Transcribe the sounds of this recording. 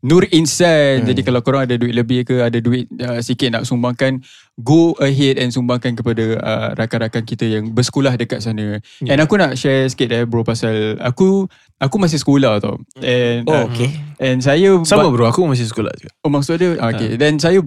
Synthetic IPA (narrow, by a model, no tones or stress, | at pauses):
nurinsajt̪̚d͡ʒadikalakoɾaŋadaduɪt̪̚ləbɪhkəadaduɪt̪̚əsikɪt̪̚naʔsumbaŋkan | ɡoəɦɛdɛnsumbaŋkank̬əpadaə̰ɾakaɾakankit̪əjaŋbərsə̥kulahdəkat̪sanə | ɛ̃nakunaʔʃɛsket̪̚ɛbɾopasala̰ku | akumas̬ɪhsə̥kolaht̪a̰ɛnokeɛnsajasamabəɾuakumas̬ɪhsə̥kola̰hduomaksoʔdəa̰kedɛns̬aja